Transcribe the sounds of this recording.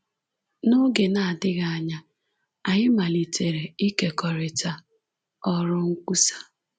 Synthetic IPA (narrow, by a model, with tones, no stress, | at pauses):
no˦ɡe˨na˨a˨dɪ˦ɣa˨a˨ɲa˦ | a˨ɲɪ˦ma˨li˨tʰe˨ɾe˨i˦ke˨kɔ˨ɾɪ˨ta˦ | ɔ˦ɾʊ˦ŋ̩˦kʷu˦sḁ˦